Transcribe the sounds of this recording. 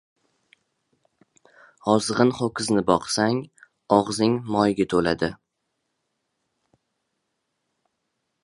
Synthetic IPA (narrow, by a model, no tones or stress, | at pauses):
ɒzʁɨnχokʲʰɪznɪbɒqsaŋ | ɒʁzɪŋmɒjɡʲat̪ʰolad̪ɪ